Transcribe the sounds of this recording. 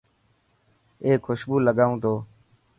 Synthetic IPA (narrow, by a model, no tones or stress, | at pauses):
eːkʰʊʃbuːləɠaːũːt̪oː